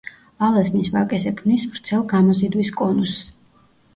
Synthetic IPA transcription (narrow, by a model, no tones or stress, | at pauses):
alˠaznisvakʼɛsɛkʰmnisvɾt̪sʰɛlˠɡamɔsid̪wiskʼɔnus